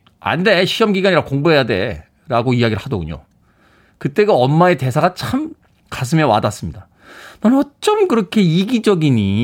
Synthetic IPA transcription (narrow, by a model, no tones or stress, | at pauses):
a̰nde̞ɕʰiʌmɡiɡaɲiɾakoŋbuɦe̞jade̞̰ | ɾaɡoiaɡiɾɯɭhadʌɡuɲo̰ | kɯt͈e̞ɡoʌmːaete̞sʰaɡat͡ɕʰam | kas̬ʰɯmjʌwa̰das͈ɯmɲida | nanʌt͡ɕ͈ʌmkɯɾʌkʰe̞iɡid͡ʑʌɡiɲi